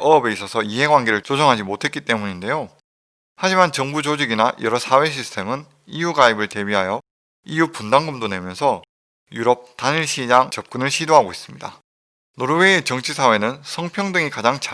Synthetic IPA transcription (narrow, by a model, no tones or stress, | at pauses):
ʔʌːbe̞is͈ʌsʰʌiɦe̞ɡwanɡeɾɯɭt͡ɕ͈od͡ʑʌŋɦad͡ʑimotʰe̞t̚k͈it͈e̞muɲinde̞jo | had͡ʑimant͡ɕʌŋbud͡ʑod͡ʑiɡinajʔʌɾʌsʰawe̞ɕ̬ʰisʰɯ̥tʰe̞mɯn | ijuɡaibɯɭte̞biɦajʌ | ijupundaŋɡɯmdone̞mjʌnsʰʌ | juɾʌp̚t͈aniɭɕ͈ʰid͡ʑaŋt͡ɕʌp̚k͈unɯɭɕʰidoɦaɡois͈ɯmɲida | noɾɯwe̞ːt͡ɕʌŋt͡ɕʰisʰawe̞nɯnsʰʌŋpʰjʌŋdɯŋikad͡ʑaŋt͡ɕa